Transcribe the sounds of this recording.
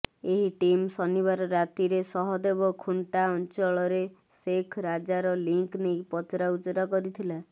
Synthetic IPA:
eɦiʈimsɔnibaɾɔɾat̪iɾesɔɦɔd̪ebɔkʰuɳʈaɔnt͡ʃɔɭɔɾe | sekʰɾad͡ʒaɾɔliŋknejpɔt͡ʃɾaut͡ʃɔɾɔkɔɾit̪ʰila

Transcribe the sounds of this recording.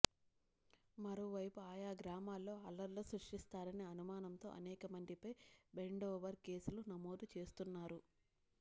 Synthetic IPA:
mɐɾoːʋɐjpuaːjaːɡɾaːmaːlːo̞ːɐlːɐɾloːsɾuʂʈist̪aːɾɐniɐnumaːnɐmt̪o̞̰ːʔɐ̰nɛːkɐmɐɳɖipɐjbe̞ɳɖoːʋɐɾke̞ːsulunɐmo̞ːd̪ut͡ʃe̞ːst̪unːaːɾu

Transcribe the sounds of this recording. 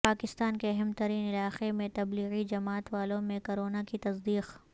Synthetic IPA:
paːkɪst̪aːnkeɐɦɛmt̪ɐɾiːnɪlaːqemẽt̪ɐbliːɣid͡ʒɐmaːt̪ʋaːlõmẽkoɾoːnakit̪ɐsd̪iːq

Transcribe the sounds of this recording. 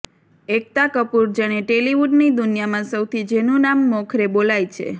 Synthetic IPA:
ek̚t̪akəpuɾd͡ʒaɽ̃eʈeliʋuɖnid̪unjamãsəwt̪ʰid͡ʒenũnamːɔkʰɾebolajt͡ʃʰḛ

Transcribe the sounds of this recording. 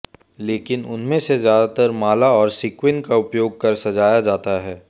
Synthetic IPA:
leːkɪnʊnmẽsezjaːd̪at̪əɾmaːlaɔːɾsɪkwɪ̃nkaʊpjoːɡ̚kɐɾsɐd͡ʒaːjad͡ʒaːt̪aɦɛː

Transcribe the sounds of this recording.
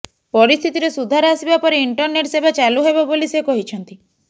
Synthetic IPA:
pɔɾist̪ʰit̪iɾesud̪ʱaɾɔasibapɔɾeiɳʈɔɾneʈsebat͡ʃaluɦebabolisekɔɦit͡ʃʰɔnt̪i

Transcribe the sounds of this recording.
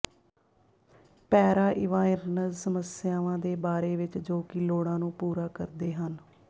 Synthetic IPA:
pɛːɾaːʔɪʋãːɪɾnəzsəməsjaːʋãːd̪eːbaːɾeːʋɪt͡ʃd͡ʒoːkɪloːɽãːnũːpuːɾaːkə̰ɾd̪eːɦən

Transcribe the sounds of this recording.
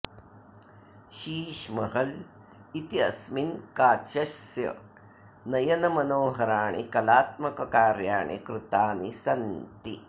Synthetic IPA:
ʃiːʃmɐɦɐl | it̪iɐ̰sminkaːʃɐʃjɐ̰ | nɐjɐnɐmɐnoːɦɐɾaːɳḭkɐlaːt̪̚mɐkɐkaːɾjaːɳḭkɾut̪aːnisɐnt̪i

